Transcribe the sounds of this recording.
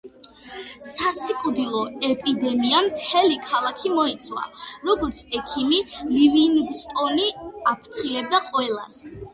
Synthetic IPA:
sasikʼud̪ilˠɔɛpʼid̪ɛmiamt̪ʰɛlikʰalˠakʰimɔit̪sʰʼwa̰ɾɔɡɔɾt̪sʰɛkʰimilivinɡst̪ʼɔniapʰɾt̪ʰχilɛb̚d̪aqʼwɛlˠas

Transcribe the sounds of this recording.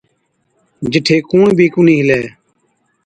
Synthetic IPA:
d͡ʒɪʈʰeːkuːɳbʱiːkuniːɦɪlɛː

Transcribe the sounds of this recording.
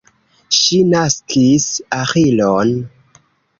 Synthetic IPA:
ʃinaskʰisaxilon

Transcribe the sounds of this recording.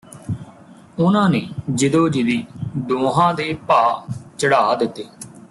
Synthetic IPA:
ʊnãːneːd͡ʒɪd̪oːd͡ʒɪd̪iːd̪oːɦãːd̪eːpaːt͡ʃəɽaːd̪ɪt̪ːeː

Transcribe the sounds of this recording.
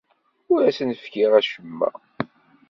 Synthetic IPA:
ʊɾæsnəfkiʁæʃəmːæ̰

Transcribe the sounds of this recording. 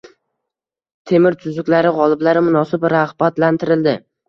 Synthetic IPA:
t̪ʰe̞mɪɾt̪ʰʊzʊkʲlaɾɪʁɒlˠɪblaɾɪmʊnɒsɪbɾahbat̪lant̪ʰɪɾɪld̪ɪ

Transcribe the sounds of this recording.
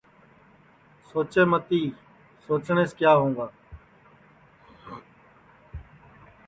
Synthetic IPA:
soːt͡ʃeːmət̪iː | soːt͡ʃɳeːskjaːɦõːŋɡ̪aː

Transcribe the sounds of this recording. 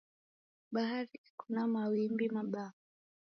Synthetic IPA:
ɓaɦaɾikunamawimbimaɓa

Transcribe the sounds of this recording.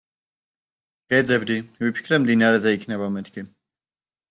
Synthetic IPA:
ɡ̥ɛd̪zɛbd̪ivipʰi̥kʰɾɛmd̪inaɾɛzɛikʰnɛβamɛt̪ʰkʰi

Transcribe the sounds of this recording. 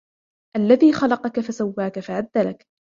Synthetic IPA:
ʔalːaðiːxɑlɑqɑkafasawːaːkafaʕad̪ːalak

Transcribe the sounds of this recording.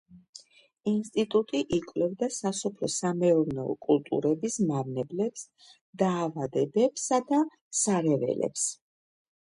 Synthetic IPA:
inst̪ʼit̪ʼut̪ʼiʔikʼlɛvd̪asasɔpʰlɔsamɛɔvnɛɔ̰kʼulˠt̪ʼṵɾɛbismaɾnɛblɛps | d̪aːvad̪ɛbɛpsad̪a | saɾɛvɛ̰lɛ̰ps

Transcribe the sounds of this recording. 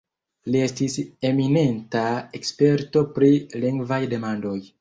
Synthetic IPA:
lie̞stise̞mine̞ntaekspe̞ɾto̞pɾiliŋɡvajde̞mando̞j

